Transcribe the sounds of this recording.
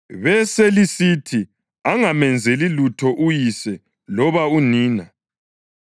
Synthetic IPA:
βɛselisitʰi | aŋamɛnd͡zʱelilutʰɔʔujisɛ | lɔβauniːna

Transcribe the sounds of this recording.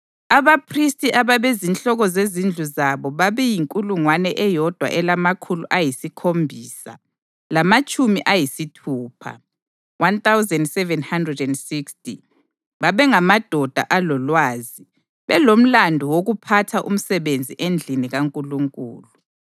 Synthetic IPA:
aβapʰristʼiʔaβaβezinɬʼɔɣɔzezind͡ɮʱuzaβɔβaβɛjiŋkʼuluŋwanɛʔɛjɔd̥ʱwa̰ʔɛlamakʰuluʔajisikʰombʱiːsa̰ | lamat͡ʃʼumiʔajisitʰuːpʰa̰ | want̪awzɛndsɛvɛnhandrɛdɛndsiksti | βaβɛŋamad̥ʱɔd̥ʱa̰ʔalɔlwaːzi | βɛlom̩landʱɔwoɣupʰatʰaʔṵm̩sɛβend͡zʱiʔend͡ɮʱiniɣaŋkʼuluŋkʼṵːlu

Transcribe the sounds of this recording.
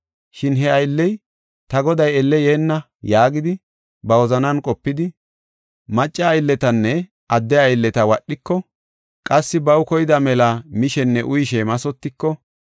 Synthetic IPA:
ʃɪnɦɛɐjlːɛj | t̪ɐɡɔd̪ɐjɛlːɛjeːnːɐ | jaːɡɪd̪ɪ | bɐwɔzɐnɐnkʼɔpːɪd̪ɪ | mɐt͡ʃʼːɐːjlːɛt̪ɐnːɛ | ʔɐd̪ːɛɐjlːɛt̪ɐwɐɗːɪkːɔ | kʼɐsːɪbɐwkɔjɪd̪ɐmɛlɐmɪʃɛnːɛʔʊjʃɛmɐsɔt̪ːɪkːɔ

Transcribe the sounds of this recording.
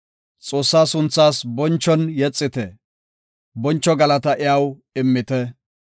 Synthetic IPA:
t͡sʼo̞ːsːaːsʊnt͡sːaːsbɔnt͡ʃːɔnjɛt͡sʼːɪt̪ɛ | bɔnt͡ʃːɔɡɐlɐt̪ɐʔɪjawɪmːɪt̪ɛ

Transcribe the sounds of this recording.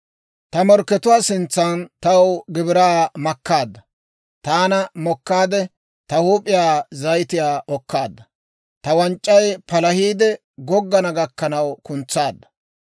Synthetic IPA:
t̪ɐmɔɾkːɛt̪ʊwaːsɪnt͡sːɐnt̪ɐwɡɪbɪɾaːmɐkːaːd̪ːɐ | t̪aːnɐmɔkːaːd̪ɛ | t̪ɐhuːpʼːɪjaːzɐjt̪ɪjaːʔɔkːaːd̪ːɐ | t̪ɐwɐnt͡ʃʼːɐjpɐlɐhiːd̪ɛ | ɡɔɡːɐnɐɡɐkːɐnɐwkʊnt͡sːaːd̪ːɐ̥

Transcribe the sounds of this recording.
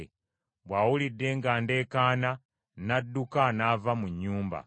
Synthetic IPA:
βwaːwulidːe̞ŋɡaːnde̞ːkaːna | nadːukanavamuɲːuːmba̰

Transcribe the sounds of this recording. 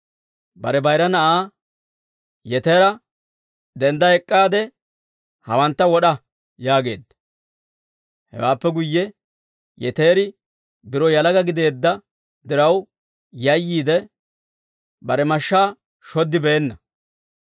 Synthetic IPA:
bɐ̰ɾɛbɐjɾɐnɐʔaː | jɛt̪eːɾɐ | d̪ɛnd̪ɐɛkʼːaːd̪ɛ | hɐwɐnt̪ːɐwɔɗɐ | jaːɡe̞̰ːd̪ːɐ̥ | hɛ̰waːpːɛɡʊjːɛ | jɛ̰t̪e̞ːɾɪ | bɪɾɔjɐlɐɡɐɡɪd̪e̞ːd̪ːɐ | d̪ɪɾɐw | jɐjːiːd̪ɛ | bɐɾɛmɐʃːaː | ʃɔd̪ːɪbeːnːɐ

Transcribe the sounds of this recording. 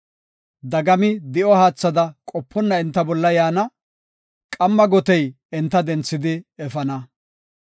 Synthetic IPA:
d̪ɐɡɐmɪd̪ɪʔɔhaːt͡sːɐd̪ɐkʼɔpʰːɔnːɐɛnt̪ːɐbɔlːɐjaːnɐ | kʼɐmːɐɡɔt̪ɛj | ɛnt̪ːɐd̪ɛnt͡sːɪd̪ɪɛfɐnɐ

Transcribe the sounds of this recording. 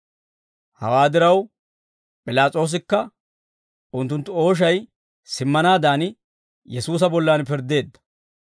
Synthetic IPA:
hɐ̰waːd̪ɪɾɐw | pʼɪlaːt͡sʼo̞ːs̬ɪkːɐ | ʊnt̪̬ːʊnt̪ːʊo̞ːʃ̬ɐj | sɪmːɐnaːd̪aːnɪ | jɛsuːs̬ɐbɔlːaːnpɪɾd̪e̞ːd̪ːɐ̥

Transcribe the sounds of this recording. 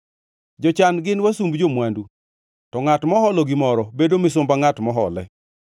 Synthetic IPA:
d͡ʒɔt͡ʃanɡɪnwasumbd͡ʒomwandu | tɔŋatmɔhɔlɔɡɪmɔɾɔbedomɪs̬ʊmbaŋatmɔɦɔlɛ̰

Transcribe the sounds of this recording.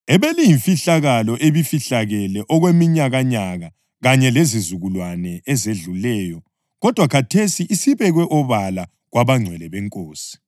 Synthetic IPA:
ɛβelijiɱfiɬaɣalɔʔeβifiɬaɣɛlɛʔɔɣwemiɲaɣaɲaɣa | ɣaɲɛlezizuɣulwanɛɛzeɮulɛːjɔ | ɣɔd̥ʱwakʰatʰesiʔisiβɛɣwɛʔɔβala | ɣwaβaŋ͡ǀʱwɛlɛβɛŋkʼoːsi̥

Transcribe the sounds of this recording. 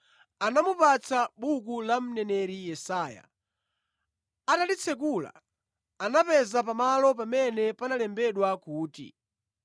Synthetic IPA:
anamupat͡saɓukulam̩nɛnɛɾijɛsaːja̰ | atalit͡sʰɛk̬ula̰ | anapɛzapamalɔp̬amɛnɛpanalɛmbɛɗwakuːtḭ

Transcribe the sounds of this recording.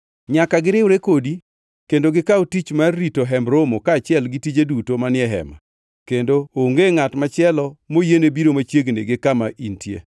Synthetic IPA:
ɲakaɡɪɾɪwɾekodi | kendoɡɪkaotit͡ʃmarːitoɦɛmbɾomokaːt͡ʃɪɛlɡɪtid͡ʒedutomanɪɛɦɛ̰ma̰ | kendooŋɡeŋatmat͡ʃɪɛlɔmojenebiɾomat͡ʃjeɡnḛɡɪkamaʔintjḛ

